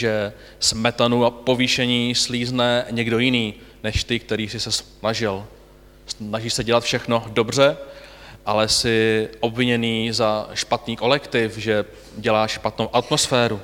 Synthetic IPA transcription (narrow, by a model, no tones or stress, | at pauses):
ʒɛ | smɛt̪anuapo̞viʃɛɲiːsliːznɛɲɛɡdo̞jɪniːnɛʃt̪ɪk̚t̪ɛɾiːsɪsɛs | naʒɪl | snaʒiːsɛɟɛlat̪fʃɛxno̞do̞br̝ɛ | ʔalɛsɪʔo̞bvɪɲɛniːzaʃpat̪niːko̞lɛkt̪ɪfʒɛ | ɟɛlaːʃʃpat̪nowʔat̪mo̞sfɛːɾu